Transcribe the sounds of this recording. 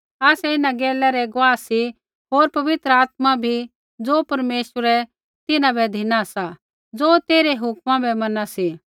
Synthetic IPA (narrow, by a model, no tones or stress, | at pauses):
aːsɛɪnãɡeːlɛɾɛɡʊʋaːsi | ɦoːɾpɐʋɪt̪ɾəaːt̪̚mabʱi | d͡zoːpɐɾmeːʃəɾɛ | t̪ɪnãbɛd̪ʱɪnasa | d͡zoːt̪eːɾeɦʊkmãbʱɛmɐnasi